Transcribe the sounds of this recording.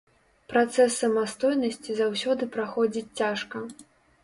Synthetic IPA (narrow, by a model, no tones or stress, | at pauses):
pɾat̪sɛsːɐmast̪ɔjnɐsʲt͡sʲizawsʲɔd̪ɨpɾaxɔd͡zʲit͡sʲt͡sʲaʂkɐ